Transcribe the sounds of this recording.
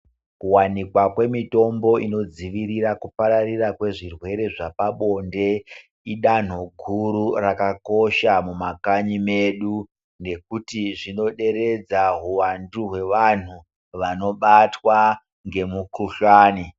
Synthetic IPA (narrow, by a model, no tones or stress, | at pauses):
kuwanikwakwe̞mito̞mbo̞ino̞d͡ziʋiɾirakupaɾarirakwe̞ʐirwe̞ɾe̞ʐapaɓo̞nde̞ | iɗan̤oɡʱuɾurakako̞ʃamumakaɲime̞ɗu | ne̞k̚utiʐino̞ɗe̞ɾe̞d͡zaɦuwanduɦwe̞ʋan̤u | ʋano̞ɓatwa | ŋɡe̞mukuɬaːni